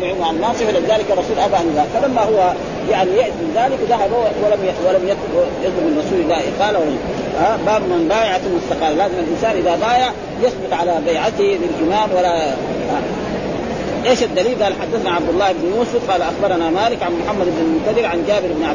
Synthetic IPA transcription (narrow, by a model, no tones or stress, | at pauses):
ʕimaʕanːɑːsˤɨflːabizaːlikɑrˤːɑsuːlʔabaʔaniðaːfalamːahuwːa | jaʕnijaʔt̪minzaːlikd̪ahabawːwalamjawalamj̪jɑd̪ˤlʊbmɪnrˤɑsuːlilːaːiqaːlawa | abaːbmanbaːjaʕat̪almʊst̪ːɑqɑːllaːzimalʔinsaːnʔiðabaːjaʕ | jɑsˤbɪt̪ˤʕalabajʕat̪ililʔimaːmwala | a | ʔeːʃad̪ːaliːlɡ̪aːlħad̪ːaθnaʕabd̪ulˤːɑːhibnjuːsˤʊfqɑːlaʔaxbɑɾˤɑnamaːlikʕanmʊħamːad̪ibnalmʊnt̪ad̪iɾʕand͡ʒaːbɪɾibnʕa